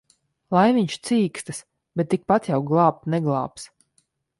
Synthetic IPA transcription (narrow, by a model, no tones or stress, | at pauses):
lˠajviɲt͡ʃt̪siːkst̪ɨs | bɛt̪ːik̚pat̪jawɡlˠɑːp̚t̪nɛɡlˠɑ̰ːps